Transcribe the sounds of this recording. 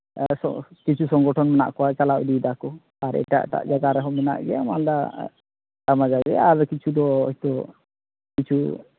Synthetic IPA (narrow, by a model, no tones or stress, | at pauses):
sɔ̰kit͡ʃʰusɔŋɡɔʈʰɔnmɛna̰ʔkɔwat͡ʃalaʔ̚d̪id̪akɔ | aɾɛ̰ʈa̰ʔʈa̰ʔd͡ʒaɡaɾɛɦɔmɛna̰ʔɡɛamala | amad͡ʒaɡɛ̰aɾkit͡ʃʰud̪ɔɔ̰jt̪ɔ | kit͡ʃʰu